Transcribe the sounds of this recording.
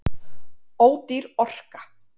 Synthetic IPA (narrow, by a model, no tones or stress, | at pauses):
oːwt̪iɾɔr̥kḁ